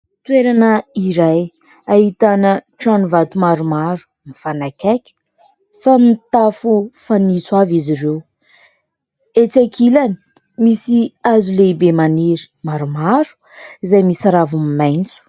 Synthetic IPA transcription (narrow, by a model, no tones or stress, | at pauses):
t̪weɾanəiɾaj | aɦit̪anəʈ͡ʂanivat̪umaɾumaɾu̥ | mifanakʲakʲə̥ | sanit̪afufaniswaviziɾew | et͡sakʰilani̥ | misiazuleibemaniɾi̥maɾumaɾu̥ | izajmisaɾavumimajnt͡su̥